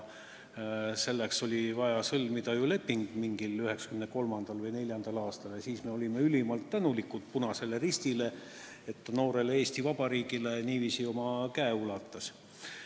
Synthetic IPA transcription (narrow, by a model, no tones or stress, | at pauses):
se̞lːekso̞lʲivɑjɑsɤlmid̪̥ɑjule̞pːiŋɡ̥miŋɡ̥ilyɦe̞ksɑ̥kymneko̞lmɑnd̪̥ɑlvɯjnelʲjɑnd̪̥ɑlɑːst̪ɑljɑsiːsme̞olʲime̞ylʲimɑlt̪ːænulikːut̪̚punɑse̞le̞rist̪ile̞ | et̪ːɑno̞ːɾe̞lee̞ːst̪ivɑb̥ɑɾiːɡ̥ile̞niːvisio̞mɑkæeulɑt̪ːˑɑs